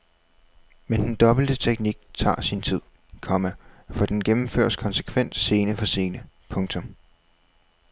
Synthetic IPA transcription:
mend̥end̥ɒ̽b̥l̩d̥ət͡sʰeɡ̥̚niɡ̥̚t͡sʰɑ̰̈ːsint͡sʰið̰ˠ | kʰɒ̽mæfɒ̽d̥enɡ̥emm̩føɐ̰skʰɒ̽nsə̥kʰʋen̰d̥se̝ːnəfɒ̽se̝ːnə | pʰɔ̽ŋt͡sʰɔ̽m

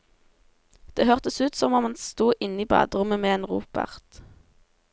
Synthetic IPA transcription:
d̪̥eːhœʁt̪əsʉːt̪sɔmɔmhɑnst̪uːʔɪniːbɑ̰ːd̪ʁʊməmeːeːnʁṵːpʰɑ̰ʁt̪

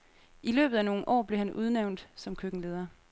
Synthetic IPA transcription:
ilø̰ːb̥ð̩ˠæno̝ːn̩ʔɒ̰ːb̥le̝hænʔuð̞ˠneʊ̰nd̥sɒ̽mkʰøɡ̥ŋ̩le̝ːð̞ˠɐ

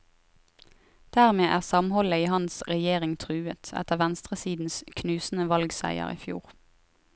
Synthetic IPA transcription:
d̪̥æːʁmeːʔæːʁsɑmhɔləiːhɑnsʁɛjeːʁɪŋt̪ʰʁʉːət̪ɛ̰t̪əʁʋænst̪ʁəsiːd̪n̩skʰnʉːsn̩əʋɑlɡsæ̰ɪə̰ʁḭːfjṵːʁ

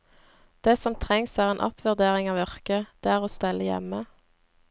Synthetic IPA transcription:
d̪̥eːsɔmt̪ʰʁɛŋsæːʁeːnʔɑ̰pʰʋʉʁd̪eːʁɪŋɑːʋœʁkəd̪̥eːæːʁoːst̪ɛlʔəjɛ̰mə

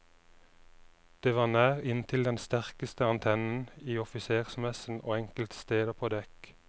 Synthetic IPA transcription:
d̪̥eːʋɑːʁnæːʁɪnt̪ʰɪld̪ɛnst̪æʁkəst̪əɑnt̪ʰɛnn̩iːɔfɪseːʁsmɛsn̩o̰ːɛŋkəlt̪st̪eːd̪əpʰoːd̪ɛk

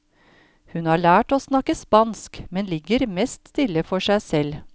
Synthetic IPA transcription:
hʉnhɑːɭæːʈoːsnɑkəspɑnskmɛnlɪɡəɾmɛst̪st̪ɪlːəfɔʂæɪsɛl

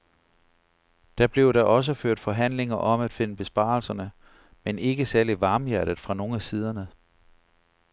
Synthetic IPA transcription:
d̥æ̈b̥le̝ʊɾ̥ɑʔɒ̽s̬əføɐ̰d̥fɒ̽ɦæn̰le̝ŋɐʔɒ̽mæd̥fe̝nəb̥e̝sb̥ɑ̈ːl̩sɐnə | mene̝ɡ̥əsæɐliʋɑ̈ːmjæɐɾ̥ð̩ˠfʁɑ̈no̝ːæsiːð̞ˠɐnə

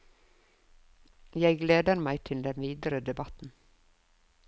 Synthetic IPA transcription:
jæɪɡleːd̪əɾmæɪt̪ʰɪld̪ɛnʋiːd̪əɾəd̪ɛbɑt̪n̩

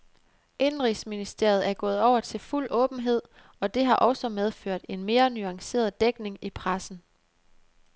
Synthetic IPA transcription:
ʔe̝nʁisminisd̥e̝ɐ̰ð̞̩ˠæɐɡ̥ɔ̽ːð̩ˠɒʊ̰ɐt͡sʰe̝lful̰ɔ̽ːb̥n̩ɦe̝ð̞̰ˠ | ɒ̽d̥e̝ɦɑ̈ʔɒ̽sɒ̽með̞ˠføɐ̰d̥e̝nme̝ːɐnyɑ̈ŋse̝̰ːɐð̩ˠd̥eɡ̥ne̝ŋipʰʁasn̩

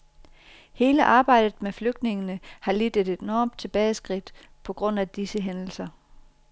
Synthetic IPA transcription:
he̝ːləʔɑ̈ːb̥ɑ̈ɪ̰d̥ð̩ˠmefløɡ̥d̥ne̝ŋənəhɑ̈lid̥ed̥e̝d̥nɒːmd̥̚t͡sʰe̝b̥ɛːɪsɡ̥ʁid̥ | pʰɒ̽ɡ̥ʁɔ̽n̰æd̥isəɦenl̩sɐ

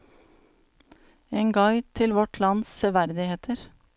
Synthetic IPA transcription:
eːŋɡɑɪt̪ʰɪlʋɔʈʰlɑnssœʋæɾd̪ɪheːt̪ʰəɾ

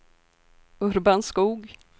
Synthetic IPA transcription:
ɵɾbanskuːɡ

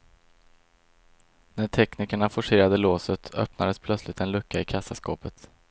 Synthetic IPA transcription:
næʈʰɛkniːkəɳafʊʂeːɾad̪əloːsət̪ʰœ̰pnad̪əspʰlœt̪slɪt̪ɛnlɵkːaɪkʰasːaskɔ̰ːpət̪

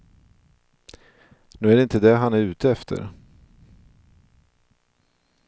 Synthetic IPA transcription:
nʉːæɾɖɛɪnt̪əd̪ɛɦanæɾʉ̟ːt̪əɛft̪ʰə̰ɾ

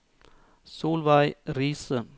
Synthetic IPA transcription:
soːlʋɑɪɾiːsə

